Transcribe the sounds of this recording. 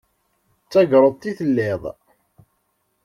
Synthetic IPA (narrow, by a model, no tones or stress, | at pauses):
t͡sːæɡɾˤəðˤt̪iθəlːɪðˤ